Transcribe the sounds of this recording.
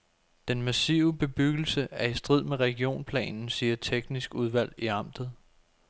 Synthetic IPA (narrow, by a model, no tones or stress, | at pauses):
d̥enmæsiːʊəb̥e̝b̥yɡ̥l̩səʔæɐisd̥ʁið̰ˠmeʁɛɡ̥io̝̰ːnpʰlɛ̰ːnn̩siːɐt͡sʰeɡ̥nisɡ̥uð̞ˠʋæl̰iɑ̈m̰d̥ð̞̩ˠ